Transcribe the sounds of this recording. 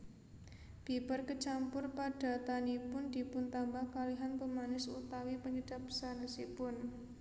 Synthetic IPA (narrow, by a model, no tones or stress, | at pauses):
b̥i̤pərkət͡ʃampʊrpaɖ̥a̤t̪anipʊnd̪̥i̤pʊnt̪ambahkaliɦanpəmanɪsut̪awipəɲəd̥apə̥sanəsipʊn